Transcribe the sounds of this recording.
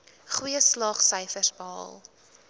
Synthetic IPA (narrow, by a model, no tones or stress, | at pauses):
χwiəslɑːχsəjfərsbəɦɑ̰ːlˠ